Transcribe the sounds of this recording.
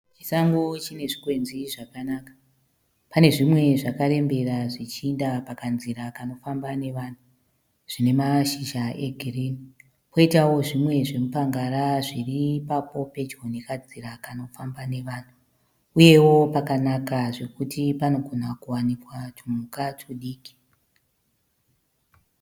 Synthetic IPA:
t͡ʃi̥saŋɡot͡ʃine̞ʐikwe̞nziʐakanakḁ | pane̞ʐimwe̞ʐakare̞mbe̞raʐit͡ʃindapakanziɾakano̞fambane̞ʋan̤u | ʐ̥ine̞maʃiʃaʔeɡʱiriːni | pʰo̞itawo̞ʐimwe̞ʐe̞mupaŋɡaɾaʐiripapo̞pe̞d͡ʒonekad͡ziɾakano̞fambane̞ʋaːn̤u | uje̞wo̞pakanakaʐe̞kutipano̞ɡʱon̤akuwanikwat͡ʃumukat͡ʃuɗiːki̥

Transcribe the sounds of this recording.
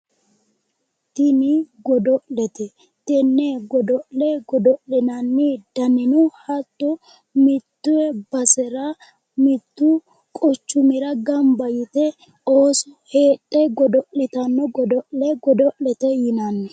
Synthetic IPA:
t̪ɪnɪɡɔd̪ɔʔlɛt̪ɛ | t̪ɛnːɛɡɔd̪ɔʔlɛɡɔd̪ɔʔlɪnɐnːɪd̪̥ɐnɪnʊhɐt̪ːɔ | mɪt̪ːʊɛbɐsɛɾɐ | mɪt̪ːʊ | kʼɔt͡ʃːʊmɪɾɐɡɐmbɐjɪt̪ɛ | oːsɔheːtʼːɛɡɔd̪ɔʔɪt̪ɐnːɔɡɔd̪ɔʔlɛɡɔd̪ɔʔlɛt̪ɛjɪnɐnːɛ

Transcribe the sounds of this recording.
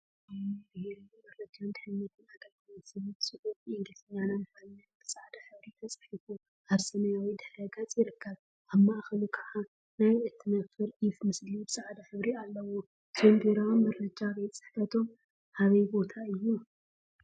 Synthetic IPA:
bɨheɾbɐɾlɐt̪ʰːijond̪ɨħɨnːɐt̪ʰɨnaɡɐlt̪ɨmɐt̪sɐmit̪sɨʔutʔiŋɡlsɐɲːananmanɨnːat̪bɨsʼaʕd̪ɐħɨβɾit̪ʰɐt͡sʼɐ̥ħifu | ʔaβsɐmɐjawid̪ɨħɐɡat͡sʼjɪɾɨkʰːɐβ | ʔaβmaʔxɐlukʰɨʕa | najɨt̪ʰːɨnɐfɨɾʔifmɨslibɨsaʕd̪ɐħɨβɾialːɐwo | tʰomd̪eɾawnmɐɾːɐd͡ʒaβet͡sʼɨ̥ħfɐt̪ʰo̞m | haβɐbo̞t̪ʰaɨjːu

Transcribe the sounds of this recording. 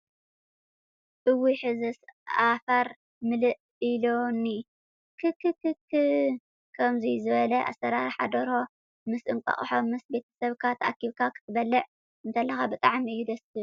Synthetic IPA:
ʔɨwːiħɨzɨsafɐɾ | mɨlɨʔ | iloni | kʰɨkːɨkɨkʰɨ | kʰɐmzizɨβɐlɐʔa̰sɐɾaɾħa̰d̪ɐɾo̞ | mɨsʔɨŋkʷʼɐ̰χʼħo̞mɨsbe̞t̪ʰɐ̥sɐβkʰat̪ʰɐʔa̰kiβkʰakʰɨ̥t̪ʰɨbɐlːɐʔ | ʔɨnt̪ʰɐlːɐxabɨt̪ʼaʕmɨjːud̪ɐsɨ

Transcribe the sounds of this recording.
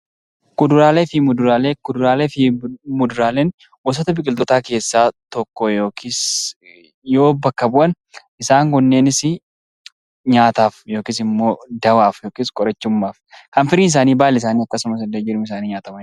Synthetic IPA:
kʼʊd̪ʊɾaːlefɪmʊd̪ʊɾaːlekʊd̪ʊɾaːleːfɪmʊd̪ʊɾaːleːn | wɐs̬ɔːt̪ɐbɪkʼɪlt̪ɔt̪aːke̞ːsːaːt̪ɔkːɔjoːkɪs | jo̞ːbɐkːɐbʊʔɐn | ɪsaːŋɡɔnːe̞ːnɪsɪ | ɲaːt̪aːfjo̞ːkɪs̬ɪmːo̞ːd̪ɐwaːfjoːkɪskʼɔɾɐt͡ʃːʊmːaːfkɐnfɪɾiːnɪs̬aːniːbaːlɪs̬aːniːɐkːɐsʊmɐsɐlːed͡ʒɪɾʊmɪs̬aːniːɲaːt̪ɐmɐ

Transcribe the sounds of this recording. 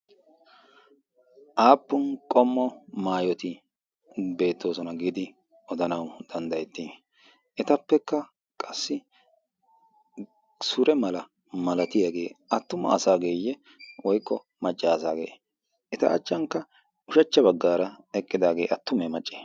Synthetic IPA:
ʔaːpːʊnkʼɔmːɔmaːjɔt̪ɪ | be̞ːt̪ʰːo̞ːsɔnɐɡɪd̪ɪ | ɔd̪ɐnɐwd̪̥ɐnd̪ɐjɛt̪ːi | ʔɛt̪ɐpːɛkːɐ | kʼɐsːɪ | sʊɾɛmɐlɐ | mɐlɐt̪ɪjaːɡe̞̰ːɐt̪ːʊmɐ̰ːsaːɡe̞ːjɛ | wɔjkʼːɔ | mɐt͡ʃʼːaːsaːɡḛː | ɛt̪ɐ̰ɐ̰t͡ʃʼːɐŋkːɐ | ʊʃɐt͡ʃːɐbɐɡːaːɾɐ | ɛkʼːɪd̪aːɡe̞ːʔɐt̪ːʊmɛmɐt͡ʃʼːe̥ː

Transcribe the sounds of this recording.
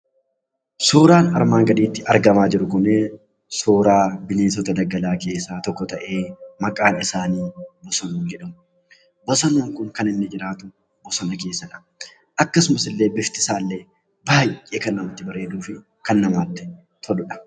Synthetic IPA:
soːɾaːnɐ̰ɾmaːŋɡɐd̪iːt̪ːɪʔɐɾɡɐmaːd͡ʒɪɾʊkʊne | soːɾaːbɪneːs̬ɔt̪ɐd̪ɐɡɐlaːke̞ːsːaːt̪ɔkːɔt̪ɐʔe̞ːmɐkʼaːnɪsaːniːbɔsɐnuːnd͡ʒɛᶑɐmʊ | bɔsɐnuːŋkʊŋkɐnɪnːɪd͡ʒɪɾaːt̪ʊ | bɔsɐnɐke̞ːsːɐᶑɐ̥ | ʔɐkːɐsʊmɐsɪlːe̞ːbɪft̪ɪ̥saːlːe | baːjʔeːkɐnːɐmɐt̪ːɪbɐɾe̞ːd̪uːfɪ | kɐnːɐmaːt̪ːɪ̥ | t̪ʰɔᶑʊᶑɐ̥

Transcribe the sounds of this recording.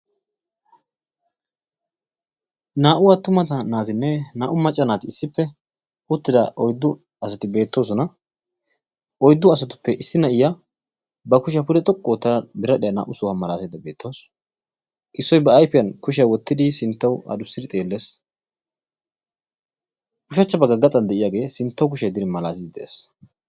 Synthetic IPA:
naːʔʊwat̪ʊmɐt̪ɐnaːt̪ɪnːɛnaːʔʊmɐt͡ʃʼːɐnaːt̪ɪɪsːɪpːɛ | ʔʊt̪ːɪd̪ɐʔɔjd̪ːʊ | ɐsɐt̪ɪbe̞ːt̪ːo̞ːs̬ɔnɐ | ʔɔjd̪ːʊɐsɐt̪ʊ̥pːɛʔɪsːɪnɐʔɪja | bɐkʊʃɪjɐpʊd̪ɛt̪ʼɔkʼːoːt̪ːɐbɪɾɐɗɛjɐna̰ːʔʊsɔhɐmɐlaːsɛd̪ɐbe̞ːt̪ːo̞ːs | ʔɪsːɔjbɐːjfɪjɐnkʊʃɪjɐwɔt̪ːɪd̪ɪsɪnt̪ːɐwɐ̰d̪ʊsːɪd̪ɪt̪ʼe̞ːlːe̞ːs | kʊʃɐt͡ʃːɐbɐɡɐɡɐt̪ʼːɐnd̪ɛʔɪjaːɡe̞ːsɪnt̪ːɐwk̬ʊʃɐjd̪ɪɾɪmɐlaːsɪd̪ɪd̪ɛʔḛːs

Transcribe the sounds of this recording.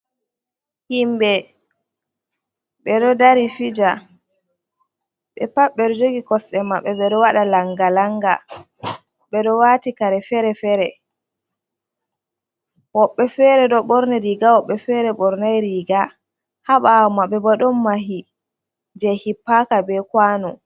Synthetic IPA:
himbɛ | ɓɛɗɔdaɾifid͡ʒa | ɓɛpaɓːɛɗɔd͡ʒoɡikɔsɛmaɓːɛɓɛɗɔwaɗalaŋɡalaŋɡa̰ | ɓɛɗɔwaːtikaɾɛfɛɾɛfɛɾɛ | wɔɓːɛfɛɾɛɗɔɓɔɾnɛɾiɡawɔɓːɛfɛɾɛɓɔɾnajɾiɡa | haɓamaɓɛbaɗɔmːaɦi | d͡ʒɛhipːakabɛkwaːnɔ

